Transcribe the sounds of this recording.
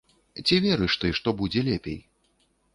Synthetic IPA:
t͡sʲivʲɛɾɨʂt̪ɨʂt̪ɔbud͡zʲɛlʲɛpʲḛj

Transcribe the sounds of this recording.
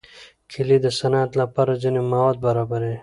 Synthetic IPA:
kʰilid̪əsɐnaːt̪lapaɾad͡ʒinemaːwad̪̚bɐɾaːbɐɾe

